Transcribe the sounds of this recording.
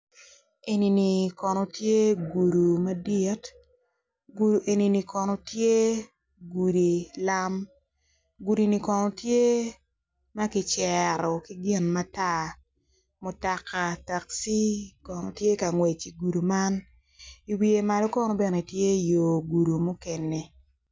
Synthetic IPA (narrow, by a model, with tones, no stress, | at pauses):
e˨ni˨ni˨kɔ˨no˨tje˦ɡu˨du˨ma˦dɪ˦t | ɡu˨du˨ʔe˨ni˨ni˨kɔ˨nɔ˨tje˦ | ɡu˨di˨la˦m | ɡu˨di˨ni˨kɔ˨nɔ˨tje˦ | ma˦kɪ˨t͡ʃɛ˨ɾɔ˨ki˦ɡɪ˦nma˦ta˦ | mʊ˨ta˨ka˨ta˨ksi˦kɔ˨no˨tje˦ka˨ŋwe˨t͡ʃi˨ɡu˨du˨ma˦n | i˨wi˨e˨ma˨lo˦kɔ˦nɔ˦be˦ne˨tje˦jo˨ɡu˨du˨mʊ˦kɛ˨ne˨